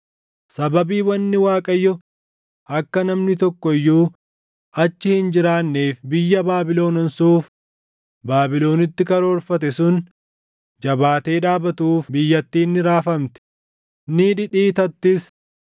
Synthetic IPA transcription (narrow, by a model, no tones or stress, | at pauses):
sɐbɐbiːwɐnːɪwaːkʼɐjːɔ | ɐkːɐnɐmnɪt̪ɔkːɔɪjːuː | ɐt͡ʃːɪhɪnd͡ʒɪɾaːnːeːfbɪjːɐbaːbɪlo̞ːnɐnsuːf | baːbɪlo̞ːnɪt̪ːɪkɐɾoːɾfɐt̪̬ɛsʊn | d͡ʒɐbaːt̪e̞ːᶑaːbɐt̪uːfbɪjːɐt̪ːiːnːɪɾaːfɐmt̪ɪ̥ | niᶑɪᶑiːt̪ɐt̪ːɪs